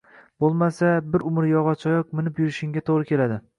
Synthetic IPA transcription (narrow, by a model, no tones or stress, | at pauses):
bolˠmasabɪɾʊmɪɾjɒʁɒt͡ʃʰɒjɒq̚mɪnɪpjʊɾɪʃɪŋɡʲat̪ʰoʁɾɪkʲʰe̞lad̪ɪ